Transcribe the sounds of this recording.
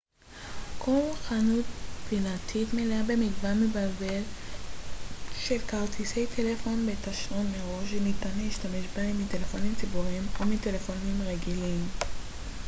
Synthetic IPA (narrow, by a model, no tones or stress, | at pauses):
kʰoluχanut̚binatʰitmeleabemiɡvanmebalbe̞l | ʃelkaʁt̪isejtʰelefo̞nbe̞taʃlonmeʁo̞ʃ̬enitanleiʃtameʃbaimite̞lefo̞nimt͡sibuʁimomite̞le̞fo̞nimʁeɡilim